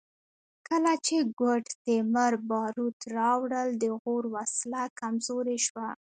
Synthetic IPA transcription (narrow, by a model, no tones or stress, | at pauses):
kəlat͡ʃeɡwəʈt̪eməɾbɑɾut̪ɾɑwɽəld̪əɣoɾwaslakamzoɾeʃwa